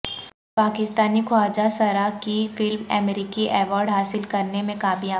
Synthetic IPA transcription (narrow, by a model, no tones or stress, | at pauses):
paːkɪst̪aːnikʰwaːd͡ʒasɐɾakifɪlmɛ̰mɾikiʔɛːʋɔːɾɖɦaːsɪlkɐɾnemẽkaːbijã